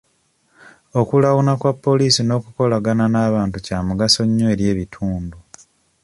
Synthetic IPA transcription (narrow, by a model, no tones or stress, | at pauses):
o̞kulawunakwapːo̞liːsino̞ːkuko̞laɡananaːβaːntucaːmuɡaso̞ɲːwe̞ːɾje̞ːβitʰuːndu